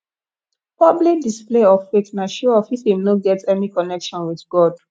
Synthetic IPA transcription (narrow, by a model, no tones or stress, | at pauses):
pɔblik̚displeɔffetnaʃuɔfifimnoɡɛtɛnikɔnɛkʃɔ̃nwiðɡɔd̥